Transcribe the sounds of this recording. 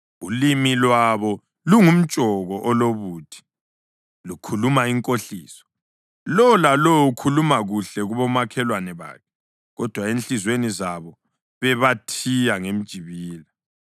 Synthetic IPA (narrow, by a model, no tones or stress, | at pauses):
ulimilwaβɔ | luŋum̩t͡ʃʼɔɣɔʔɔloβuːtʰi̥ | lukʰulumaiŋkʼoɬiːsɔ̥ | lɔlalɔukʰulumaɣuɬɛɣuβɔmakʰɛlwanɛβa̰ːkʰɛ̥ | ɣɔd̥ʱwaenɬizwenizaβɔ | βɛβatʰijaŋem̩d̥ʒ̥ʱiβiːla